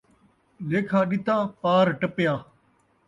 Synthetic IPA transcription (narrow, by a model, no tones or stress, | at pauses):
leːkʰaːɗɪt̪aːpaːɾʈəpjaː